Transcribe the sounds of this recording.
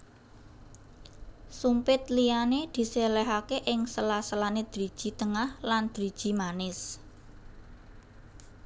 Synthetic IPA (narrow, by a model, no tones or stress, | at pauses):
sumpɪt̪lijaned̪̥i̤selɛɦakeʔɪŋsəlasəlaned̪̥ɾid̥ʒ̥i̤t̪əŋahland̪̥ɾid̥ʒ̥i̤manɪs